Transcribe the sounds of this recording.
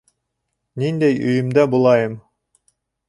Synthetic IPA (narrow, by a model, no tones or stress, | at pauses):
nind̪æjɵ̰jɘ̆md̪æbulˠɑjɤm